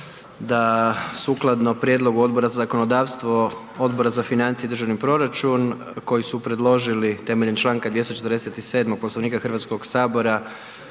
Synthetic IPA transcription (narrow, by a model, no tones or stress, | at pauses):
d̪asuklˠad̪no̞pɾjed̪lo̞ɡuo̞d̪bo̞ɾazazako̞no̞d̪aːʋst̪ʋo̞ | o̞d̪bo̞ɾazafinant̪sijed̪r̩ʒaʋnipɾo̞ɾat͡ʃun | ko̞jisupɾe̞d̪lˠo̞ʒilit̪e̞meʎent͡ʃlˠaːŋkad̪ʋje̞st̪ot͡ʃet̪ɾd̪eset̪ise̞ːd̪moɡ̚po̞slˠoʋniːkaxər̩ʋat̪sko̞ɡsaːbo̞ɾa